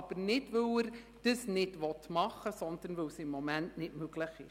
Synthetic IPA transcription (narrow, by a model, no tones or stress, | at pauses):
ɑb̥əɾnɪdvɵwəɾ | d̥əsnɪdvɔtmɑχːəsɔnd̥̪ənvɵwsɪmːɔmæntnɪtmøɡləχɪ̰